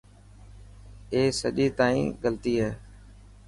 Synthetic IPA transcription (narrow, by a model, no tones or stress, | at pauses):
eːsəʄiːt̪aːḭ̃ːɡəlt̪iːɦɛː